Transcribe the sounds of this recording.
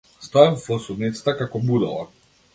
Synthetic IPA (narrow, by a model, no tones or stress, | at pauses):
st̪ɔɛmfɔsud̪nit̪sḁt̪akakɔbud̪ɔlˠa̰